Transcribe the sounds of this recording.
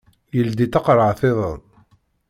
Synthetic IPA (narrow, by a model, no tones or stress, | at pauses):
jəld̪it̪ɑqɾˤəʕθeðˤəðˤ